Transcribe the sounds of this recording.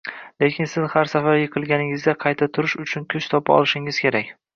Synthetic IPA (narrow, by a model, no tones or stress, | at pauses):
le̞kʲʰɪnsɪz̥haɾsafaɾjɨqʰɨlˠɡʲanɪŋɪzd̪ʲaqʰɑjt̪ʰat̪ʰʊɾɪʃʊt͡ʃʰʊnkʲʰʊt͡ʃt̪ʰɒpʰaɒ̰lˠɪʃɪŋɪz̥kʲʰe̞ɾakʲ